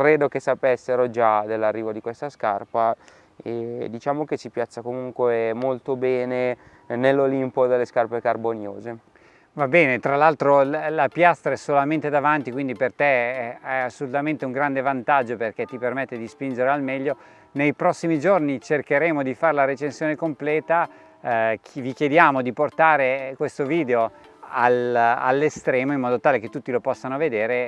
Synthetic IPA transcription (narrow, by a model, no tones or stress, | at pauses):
kɾeːd̪okesapesːeɾod͡ʒad̪elːarːiːvod̪ikwest̪askarpa | ed̪it͡ʃaːmokesipjasːakomuŋkwemolt̪obɛːne | nelːolimpod̪elːeskarpekarbonjoːze | vabɛːnet̪ɾalalt̪ɾolapjast̪ɾaɛsolament̪ed̪avant̪ikwind̪ipert̪ɛɛasːolut̪ament̪euŋɡɾand̪evant̪ad͡ʒːoperkɛt̪ːipermet̪ːed̪ispind͡ʒeɾealmɛʎːo | nejpɾɔsːimid͡ʒornit͡ʃerkeɾeːmod̪ifaɾelaɾet͡ʃensjoːnekomplɛːt̪a | vik̟jed̪jaːmod̪iport̪aːɾekwest̪oviːd̪eo | ala̰lːest̪ɾɛːmoimːɔːd̪ot̪aːleket̪ːut̪ːilopɔsːanoved̪eːɾe